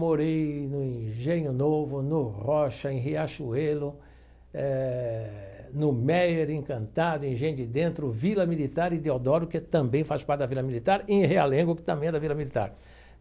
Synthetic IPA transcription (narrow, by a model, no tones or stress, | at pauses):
moɾejnʊĩʒẽɲʊnovʊnʊʁɔʃɐẽɦeaʃuelʊ | ɛ | nʊmɛjɾẽŋkɐ̃nt̪ad̪ʊĩʒẽj̃ɲʊd̪ɪd̪ẽnt̪ɾʊvilɐmilit̪aɾɪd̪ead̪ɔɾʊkɪt̪ɐ̃mbẽj̃faspaɾt̪ɪd̪ɐvilɐmilit̪aɾẽɦealẽŋɡwɐkɪ̥t̪ɐ̃mbẽj̃ɛd̪ɐvilɐmilit̪a̰ɾ